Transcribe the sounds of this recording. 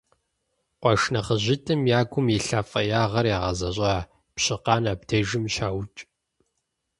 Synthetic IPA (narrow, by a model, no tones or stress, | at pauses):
qʷɔʂnɐχəʑɪtʰʼɨmjaːɡʷʊmjɪɬaːfʼɐjaːʁɐrjaːʁɐzɐɕʼɑː | pɕɪqɑːnaːptʰeʒɪmʃaːwt͡ʃʼ